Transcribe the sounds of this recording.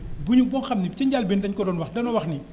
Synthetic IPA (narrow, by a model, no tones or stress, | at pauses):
buɲuk̚bɔnxɐmnip̚cɐɲɟalbɛːndɐɲkɔdɔːnwɐxdɐnɔwɐxni